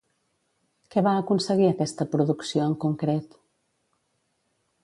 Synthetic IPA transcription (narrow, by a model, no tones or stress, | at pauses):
kɛβaəkunsəɣiəkɛst̪əpɾuðuksioəŋkuŋkɾet̪